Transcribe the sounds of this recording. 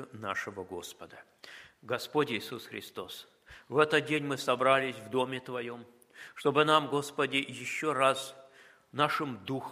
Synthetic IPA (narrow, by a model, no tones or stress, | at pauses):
ʊna̰ʂɨvəɡo̞̰spəd̪ə | ɡɐspo̞tʲɪːsusxɾʲɪ̰st̪o̞s | vɛt̪ət̪̚dʲenʲmɨsɐbɾalʲɪsʲvd̪o̞mʲɪt̪vɐjo̞m | ʂt̪o̞bɨnamɡo̞spədʲɪjɪɕːo̞ras | naʂɨmd̪ux